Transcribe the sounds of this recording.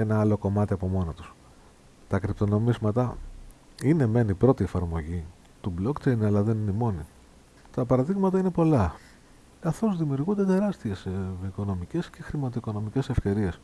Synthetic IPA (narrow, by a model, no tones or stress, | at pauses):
enɐɐlo̞ko̞mɐt̪iɐpo̞mo̞not̪u̥s | t̪ɐkɾipt̪o̞no̞mizmɐt̪ɐ | ine̞me̞nipɾo̞t̪iefɐɾmo̞ʝi | t̪ublo̞kt͡ʃe̞jnɐlɐðe̞nineimo̞ni | t̪ɐpɐɾɐðiɣmɐt̪ɐine̞po̞lɐ | kɐθo̞zðimiuɾɣund̪et̪e̞ɾɐst̪ie̞sviko̞no̞mice̞sce̞xɾimɐt̪̬oiko̞no̞mice̞se̞fce̞ɾie̞s